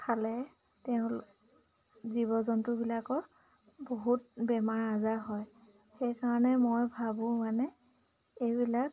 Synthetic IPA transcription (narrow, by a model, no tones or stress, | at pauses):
kʰalɛ | teʊ̃ | ziβɔzɔntʊbilakɔ | boɦut̚bɛmaɹazaɦɔj | xejkaɹɔnɛmojbʱabʊ̃manɛ | ejbilak̚